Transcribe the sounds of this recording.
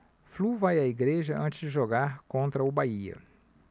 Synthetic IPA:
fluvajɐiɡɾeʒɐʔɐ̰̃nt͡ʃɪzd͡ʒɪʒoɡaɾkõnt̪ɾɐʊbaiɐ̰

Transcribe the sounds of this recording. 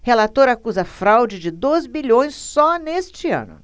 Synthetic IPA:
helat̪oɾɐakuzɐfɾawd͡ʒɪd͡ʒɪd̪ozbiʎõj̃sːɔnest͡ʃɪɐ̰̃nʊ̰

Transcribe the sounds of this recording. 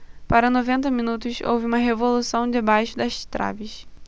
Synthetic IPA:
paɾɐnovẽnt̪ɐmĩnut̪ʊso̰wvɪũmɐɦevolusɐ̃w̃d͡ʒɪbajʃʊd̪ɐʃt̪ɾʔa̰vɪʃ

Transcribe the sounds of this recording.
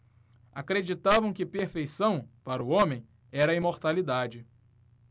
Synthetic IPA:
akɾed͡ʒit̪avɐ̃w̃kɪpeɾfejsɐ̃w̃paɾʊõmẽj̃ | ɛɾɐimoɾt̪alid̪ad͡ʒɪ

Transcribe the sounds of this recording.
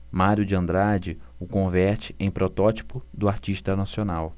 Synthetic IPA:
maɾjʊd͡ʒɪɐ̃nd̪ɾad͡ʒɪʊkõvɛɾt͡ʃɪ̥ẽj̃pɾɔt̪ɔt͡ʃi̥pʊd̪ʊaɾt͡ʃiʃt̪ɐnasionaw

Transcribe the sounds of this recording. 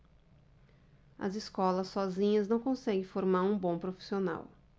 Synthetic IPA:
ɐ̰ziskɔlɐsːɔzĩɲɐznɐ̃w̃kõsɛɡẽfoɾmaɾũbõpɾofi̥siona̰w

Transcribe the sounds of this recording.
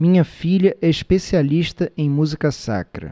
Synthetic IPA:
mĩɲɐfiʎɐʔɛiʃpesialiʃt̪ɐʔẽj̃muzikɐsa̰kɾɐ̰

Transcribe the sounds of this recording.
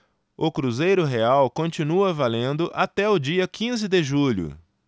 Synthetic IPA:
ʊkɾuzejɾʊɦeawkõnt͡ʃinuɐvalẽnd̪ʊʔat̪ɛʊd͡ʒiɐkʰĩzɪd̪ɪʒuʎʊ̰

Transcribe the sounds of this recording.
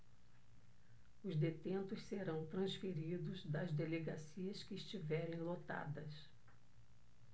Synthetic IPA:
ʊzd̪et̪ẽnt̪ʊsseɾɐ̃w̃t̪ɾɐ̃sfeɾid̪ʊzd̪ɐzd̪eleɡasiɐskɪːst͡ʃivɛɾẽj̃lot̪a̰d̪ɐs

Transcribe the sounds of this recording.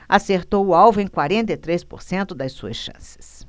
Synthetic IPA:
aseɾt̪owʊawvʊẽj̃kwaɾẽnt̪̬ejt̪ɾespo̰ɾsẽnt̪ʊd̪ɐsuɐ̰sʃɐ̰̃sɪ̥s

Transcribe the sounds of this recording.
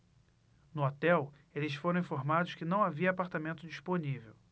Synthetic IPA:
nʊot̪ɛw | elɪsfoɾɐ̃w̃ĩfoɾmad̪ʊʃkɪnɐ̃w̃aviɐːpaɾt̪amẽnt̪ʊd͡ʒiʃponivḛw

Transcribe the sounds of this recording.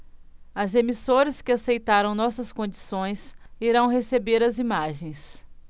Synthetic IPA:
ɐzemisoɾɐskɪasejt̪aɾɐ̃w̃nɔsɐskõd͡ʒisõj̃siɾɐ̃w̃ɦesebeɾɐzimaʒẽj̃s

